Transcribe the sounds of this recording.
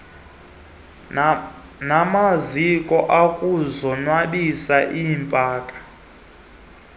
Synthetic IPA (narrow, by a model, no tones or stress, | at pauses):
namazikʼɔʔakʼuzɔnwaɗisaʔiːmpʼaːkʼḁ